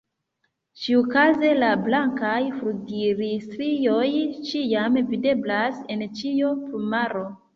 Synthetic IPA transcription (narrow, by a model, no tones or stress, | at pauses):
t͡ʃiokaze̞lablaŋkajfɾuɡiɾistɾijo̞jt͡ʃiamvide̞blase̞nt͡ʃiopumaɾo̞